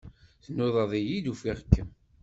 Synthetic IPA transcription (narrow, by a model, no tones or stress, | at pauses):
θnːʊðˤəðˤijid̪ufiʁkːəm